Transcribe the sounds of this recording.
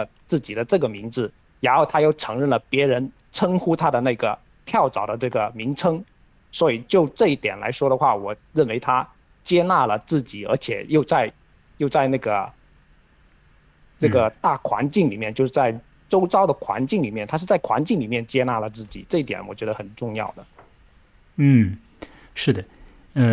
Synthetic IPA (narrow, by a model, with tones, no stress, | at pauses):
t͡sɹ̩˥˩t͡ɕi˨˩d̪ə˦ʈ͡ʂɤ˥˩ɡə˩mi˧˥ŋd͡zɹ̩˧ | ɻa˧˥nxo˥˩ʊt̪ʰa˥jo˥˩ʊʈ͡ʂʰɤ˧˥ŋɻə˥˩nlə˩pjɛ˧˥ɻə˧˥n | ʈ͡ʂʰɤ˥ŋxu˥t̪ʰa˥d̪ə˨na˥˩ɡə̰˩ | t̪ʰjɑ˥˩ʊʈ͡ʂɑ˨˩ʊd̪ə˦ʈ͡ʂɤ˥˩ɡə˩mi˧˥ŋʈ͡ʂʰɤ˥ŋ | swɔ˧˥i˨˩t͡ɕjo˥˧ʊʈ͡ʂɤ˥˧i˥˩t̪jɛ˨˩nla̰˧˥ɪʂwɔ˥ɾə˨xwa˥˩wɔ˨˩ɻə˥˩nwe˧˥ɪt̪ʰa˥ | t͡ɕjɛ˥na˥˩lə˩t͡sɹ̩˥˩t͡ɕi˨˩ə̰˞˧˥t͡ɕʰjɛ̰˨˩˦jo˥˧ʊt͡sa˥˧ɪ | jo˥˧ʊt͡sa˥˧ɪna˥˩ɡə˩ | ʈ͡ʂɤ˥˩ɡə˩t̪a˥˩kʰwa̰˧˥nt͡ɕi˥˩ŋli˨˩mjɛ˥˧nt͡ɕjo˥˧ʊʂɻ̩˥˩t͡sa˥˩ɪ | ʈ͡ʂo˥ʊʈ͡ʂɑ˥ʊd̪ə˨˩kʰwa̰˧˥nt͡ɕi˥˩ŋli˨˩mjɛ˥˩nt̪ʰa˥ʂ̬ɻ̩˥˧t͡sa˥˩ɪkʰwa̰˧˥nt͡ɕi˥˩ŋli˨˩mjɛ˥˩nt͡ɕjɛ˥na˥˩lə˩t͡sɹ̩˥˩t͡ɕḭ˨˩˦ʈ͡ʂɤ˥˧i˥˩t̪jɛ̰˨˩˥nwɔ˨˩t͡ɕɥɛ˧˥d̪ə˧˩xə˨˩nʈ͡ʂʊ˥˧ŋjɑ̰˥˩ʊd̪ə˩ | n̩˥˩ | ʂɻ̩˥˩d̪ə˩ | ə˧